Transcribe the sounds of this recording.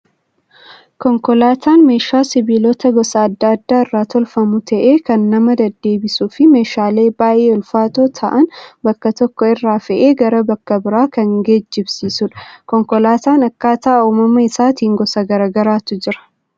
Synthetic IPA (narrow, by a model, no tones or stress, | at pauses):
kɔŋkɔlaːt̪ʰaːnme̞ːʃaːsɪbiːlɔt̪ɐɡɔsɐːd̪ːɐːɐd̪ːaːɪrːaːt̪ɔlfɐmʊt̪ʰɐʔe̞ːkɐnːɐmɐd̪ɐd̪ːe̞ːbɪsuːfɪme̞ːʃaːle̞ːbaːʔeːʊlfaːt̪oːt̪ʰɐʔɐnbɐkːɐt̪ɔkːɔɪrːaːfɛʔe̞ːɡɐɾɐbɐkːɐbɪɾaːkɐŋɡe̞ːd͡ʒːɪbsiːsʊᶑɐ̥kɔŋkɔlaːt̪aːnɐkːaːt̪ɐʔɐumɐmɐɪsaːt̪iːŋɡɔsɐɡɐɾaːɡɐɾaːt̪ʊd͡ʒɪɾɐ̥